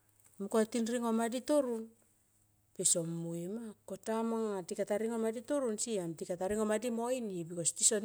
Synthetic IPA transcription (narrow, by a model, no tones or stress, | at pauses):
mkotinɾiŋo̞maditoɾun | peso̞mːuimako̞tamaŋatikataɾiŋo̞maditoɾunsiamtikataɾiŋo̞madimo̞jnibikostiso̞n